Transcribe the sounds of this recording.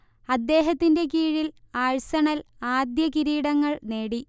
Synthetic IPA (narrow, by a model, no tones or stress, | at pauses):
ɐd̪ːe̞ːɦɐt̪ːinde̞kiːɻil | aːɻsɐɳɐlaːd̪jɐkiɾiːɽɐŋːɐɭne̞ːɽi